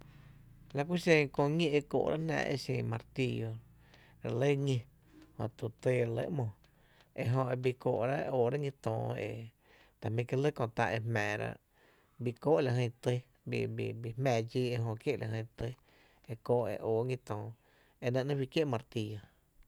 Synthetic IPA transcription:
la˧kʷi˦ʃẽ˧kõ˧ɲĩ˦ʔe˧ko̰ː˧˨ʔɾa̰˦ʔnã̰ː˧ʔḛ˧sẽː˧˨mã˧ɾt̪i˧jo˧ | ɾa˧lə˦ɲĩ˧ | hõ̰˧t̪u˧˨t̪e˧ɾa˧lə̰˦ʔmɔ̃˧˨ | e˧ʔɦõ˧e˧bi˧ko̰ː˧˨ʔɾa˦˧ʔoː˨ɾa˦ŋĩ˧t̪ɔ̃ː˧˨ḛ˧˨ | t̪a˨mĩ˧ki˧lə˦kõ˧t̪a˧ʔe˧hmɛ̃ː˨ɾa̰˧ʔ | bi˧ko˦ʔla˨ɦə̃˧t̪ə˦ | bḭ˧bi˧˨bi˧hmɛ̃ː˧˨d͡ʒiː˧e˧ɦõ˧kje˦ʔlʔa˨hə̃˧˨˧t̪ə˧ | e˧koː˧˨ʔḛ˧˨ʔoː˨˦ŋĩ˧t̪ɔ̃ː˨ | e˧nə̃˧ʔnə̃˦wi˧kje˦ʔmã˧ɾt̪i˧jo˨

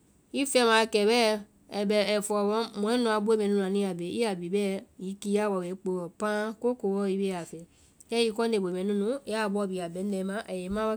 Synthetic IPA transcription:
i˦fɛ˦˨mã˨˦˧kɛ˨bɛː˦ | ɛ˨bɛ˨ɛ˨fɔ˨wɔ˧˦mɔ̃˨˦ɛ˦nũ˧˦a˨˧bo˦e˦˨mɛ̃˨˧˨ũ˦˨a˨nĩ˧˦a˨be˨ḭ˦a˨bi˨bɛː˦˨ji˨˦ki˧˦a˦˨wɔ˧˨wɛ˨˦k͡po˧ɔ˨pã˦ko˦ko˧˨wɔ˧˦i˧be˦a˨fɛ˨ | jɛ˦i˦˧˦kɔ˦ne˧˨bo˨mɛ̃˨nũ˦nũ˨˦a˦˨bɔ˧˨bi˨a˨bɛ˨˦ɛ˧˨˧mã˨˦ʔɛ˨je˨˦mã˦wa˦

